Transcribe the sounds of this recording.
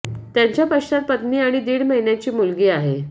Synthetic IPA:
t̪jaɲt͡ɕjapəʂat̪̚pət̪niːaɽ̃id̪iːɽməɦinjat͡ɕiːmulɡiːaɦe

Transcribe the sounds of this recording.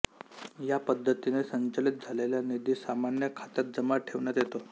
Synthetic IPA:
japəd̪ʱːət̪inesəɲt͡ɕalit̪̚d͡zʱaleljanid̪iːsamanjəkʰat̪at̪̚d͡zəmaʈʰeʋɳjat̪jet̪o

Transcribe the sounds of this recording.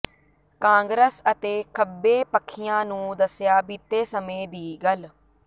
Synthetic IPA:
kãːŋɡɾəsət̪eːkʰəbːeːpəkʰːɪjãːnũːd̪əsjaːbiːt̪ːeːsəmẽːd̪iːɡəl

